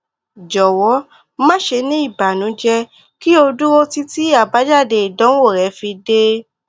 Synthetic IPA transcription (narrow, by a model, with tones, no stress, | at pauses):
d͡ʒɔ˨wɔ˨˦ | mã˦ʃe˧nĩ˦i˦˨ba˨nũ˨˦d͡ʒɛ˧ | ki˦o˧du˦o˦ti˦ti˦a˦˨ba˨˦d͡ʒa˦˨de˧˨i˨dɔ̃˨˦wo˦˨ɾɛ˨˧˦fi˧de˦